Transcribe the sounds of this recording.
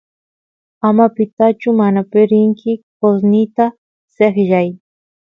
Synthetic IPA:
amapɪt̪at͡ʃʊmanapɪɾɪŋkʰɪkos̬nɪt̪a | seχʒaj

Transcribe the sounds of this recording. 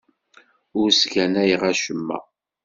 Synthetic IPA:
ʊɾsɡænæjʁæʃəmːæ̰

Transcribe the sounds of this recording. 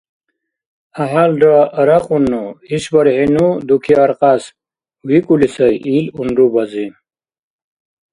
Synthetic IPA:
aɦalɖaɾaqunːuiɕbɐɾhinud̪ukʰiaɾqas | wikulisɐjiluɳɖubɐzi

